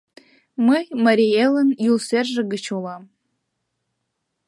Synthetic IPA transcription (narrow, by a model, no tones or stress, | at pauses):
mɨmaɾielɨnjulserʒɨɡɨt͡ʃʰulam